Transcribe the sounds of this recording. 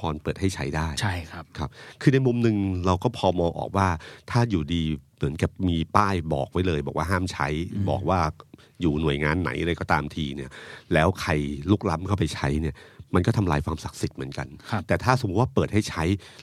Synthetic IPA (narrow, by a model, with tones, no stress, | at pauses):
ɔː˧npɤː˨˩t̪̚ha˥˩jt͡ɕʰa˦˥jdaː˥˩jt͡ɕa˥˩˦kʰa˦˥p̚kʰɯː˧na˧jmu˧mnɯ˧ŋɾa˧wkɔː˥˩pʰɔː˧mɔː˧ŋʔɔ̰ː˨˩k̚waː˥˩t̪ʰaː˥˩juː˨˩diː˧mɯ˩˦nkɛː˨˩p̚miː˧paː˥˩jbɔ̰ː˨˩k̚wa˦˥jlɤː˧jbɔː˨˩k̚waː˥˩ɦaː˥˩mt͡ɕʰa˦˥jbɔ̰ː˨˩k̚waː˥˩ | juː˨˩nu˨˩əjŋaː˧nːa̰˩˦jʔɾa˧jkɔː˥˩t̪aː˧mt̪ʰiː˧ni˥˩ɐlɛː˦˥wkʰa˧jluː˥˩k̚la˦˥mkʰa˥˩wpa˧jt͡ɕʰa˦˥jni˥˩ɐma˧nkɔː˥˩t̪ʰa˧mlaː˧jkʰwaː˧msa˨˩k̚si˨˩t̪̚mɯ˩˦nka˧nʰt̪ɛː˨˩t̪ʰaː˥˩so˩˦mː˦u˦t̪̚waː˥˩pɤː˨˩t̚ha˥˩jt͡ɕʰa˦˥j